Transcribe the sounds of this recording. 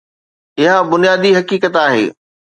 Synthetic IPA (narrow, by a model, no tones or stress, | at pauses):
ɪɦãbʊnijaːd̪iɦɐkiːkət̪aːɦḛː